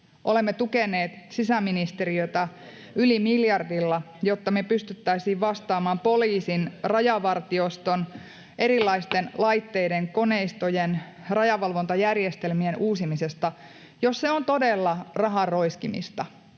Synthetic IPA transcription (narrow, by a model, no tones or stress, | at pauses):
ʔolemːet̪ukeneːt̪ | sisæmːinist̪e̞ɾiot̪ɑ | ylimiljɑrdilːɑ | jo̞t̪ːɑmepyst̪yt̪ːæisiːʋʋɑst̪ɑːmɑːmpo̞liːsinrɑjɑʋɑrt̪iost̪on | ʔe̞ɾilːɑist̪enlɑjt̪ːeideŋko̞neist̪ojen | rɑjɑʋɑlʋo̞nt̪ɑjærjest̪elmienuːsimisest̪ɑ | josseont̪o̞delːɑrɑɦɑrro̞iskimḭst̪ɑ